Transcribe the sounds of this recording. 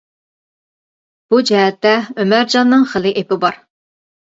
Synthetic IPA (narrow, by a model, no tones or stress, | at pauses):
b̥ud͡ʒɛɦɛt̪ːɛømæɾd͡ʒɑnːɨŋχəlˠɪʔepɪbɑɾ